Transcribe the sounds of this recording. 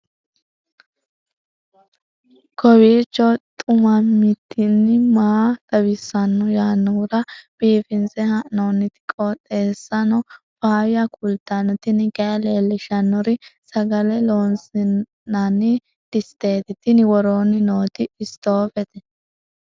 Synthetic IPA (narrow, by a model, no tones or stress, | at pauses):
kɔwiːt͡ʃːɔt̪ʼʊmɐmɪt̪ʰːɪnːɪmaːd̪̥ɐwɪsːɐnːɔjaːnːuɾɐb̥iːfɪnsɛhɐʔnoːnːɪt̪ɪ̥kʼːɔt̪ʼe̞ːsːɐnɔ | paːwɪjɐkʼʊlt̪ːɐnɔt̪ɪnɪɡɐjɐle̞ːlːɪʃɐnːɔɾɪsɐɡɐlɛloːnsɪ | nɐnːɪ | d̪̥ɪst̪e̞ːt̪ɪt̪ɪnɪwɔɾoːnɪnoːt̪ɪɪst̪oːfɛt̪ɛ